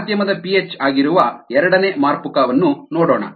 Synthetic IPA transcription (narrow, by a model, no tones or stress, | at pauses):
d̪jɐmɐd̪ɐpiet͡ʃːaːɡiɾuʋɐɛɾɐɽɐneːmaːɾpukaːʋɐnːunoːɽoːɳɐ̰